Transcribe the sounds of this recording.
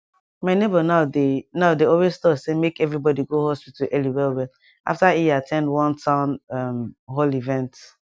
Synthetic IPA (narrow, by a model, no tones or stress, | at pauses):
maɪnebənaʊdenaʊdeɔlwez̥stɔtsemekɛvɹibɔdiɡohɔspitɔʔɛliwɛlwɛl | ʔa̰ftaiatʰɛ̃ndwɔ̃ntʰãʊ̃namɦolivɛ̃nt